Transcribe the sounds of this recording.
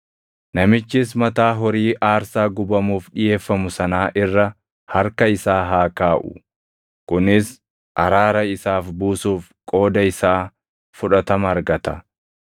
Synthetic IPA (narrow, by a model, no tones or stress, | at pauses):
nɐmɪt͡ʃːɪs̬mɐt̪aːɦɔɾiːʔaːɾsaːɡʊbɐmuːfᶑɪje̞ːfːɐmʊsɐnaːʔɪrːɐ | hɐɾkɐɪsaːɦaːkaːʔʊ̰ | kʊnɪs | ʔɐɾaːɾɐɪsaːfbuːsuːf | kʼo̞ːd̪ɐɪsaː | fʊᶑɐt̪ɐmɐɐɾɡɐt̪ɐ